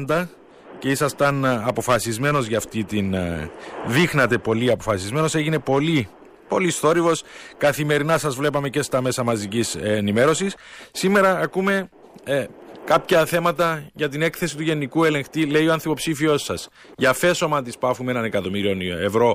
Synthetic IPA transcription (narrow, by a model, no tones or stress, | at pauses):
nd̪ɐ | ce̞isɐst̪ɐnɐpo̞fɐsizme̞no̞zʝɐft̪it̪in | ðixnɐt̪e̞po̞liɐpo̞fɐsizme̞no̞se̞ʝine̞po̞li | po̞list̪o̞ɾivo̞skɐθime̞ɾinɐsɐzvle̞pɐme̞ce̞st̪ɐme̞sɐmɐzicisenime̞ɾo̞sisːime̞ɾɐːkume̞ | kɐpçɐθe̞mɐt̪ɐʝɐt̪̬ine̞kθe̞sit̪uʝe̞nikue̞le̞ŋxt̪ile̞ioɐnθipo̞psifio̞sːɐs | ʝɐfe̞so̞mɐnt̪̬ispɐfumeenɐne̞kɐt̪o̞miɾio̞ne̞vɾo̞